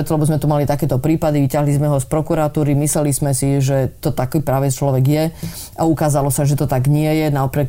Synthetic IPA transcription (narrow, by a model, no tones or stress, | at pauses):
ɾɛt̪ɔlɛbɔzmɛt̪umalit̪akɛːt̪ɔpɾiːpad̪iʋicaɦlizmɛɦɔspɾɔkuɾat̪uːɾimislɛlizmɛsiʒɛt̪ɔt̪akipɾaːʋɛt͡ʃlɔʋɛɡjɛ | aukaːzalɔsaʒɛt̪ɔt̪aɡɲɪɛjɛnaɔpɾɛk